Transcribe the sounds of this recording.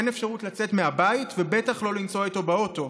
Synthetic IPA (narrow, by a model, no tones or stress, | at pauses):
enefʃaʁutlat͡se̞tme̞abaitvebe̞taχlo̞lint͡so̞ito̞beo̞to̞